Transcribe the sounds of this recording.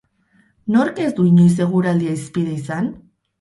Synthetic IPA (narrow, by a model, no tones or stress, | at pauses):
noɾkezd̪uiɲojs̬e̞ɣ̞uɾald̪iaispiðejsan